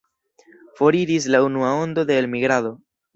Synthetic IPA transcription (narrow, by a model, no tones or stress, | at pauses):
fo̞ɾiɾis̬launuao̞nd̪o̞d̪e̞ːlmiɡɾaðo̞